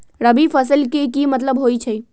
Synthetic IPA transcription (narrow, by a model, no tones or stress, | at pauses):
ɾəbifɐsəlkekimɐt̪ləbɦoːit͡ʃʰɐi